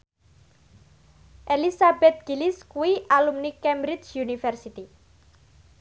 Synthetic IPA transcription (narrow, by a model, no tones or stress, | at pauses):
ʔelisabɛt̪̚ɡ̥iliskuwiʔalumnikɛmbɾit͡ʃjunifɛrsit̪i